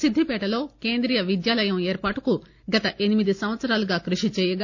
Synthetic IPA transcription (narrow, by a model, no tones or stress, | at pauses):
sid̪ʱːipɛːʈɐlo̞ːkeːnd̪ɾijɐʋid̪jaːlɐjɐmeːɾpaːʈuku | ɡɐt̪ɐʔe̞nimid̪isɐmʋɐt̪sɐɾaːluɡaːkɾuʂit͡ʃɛːjɐɡ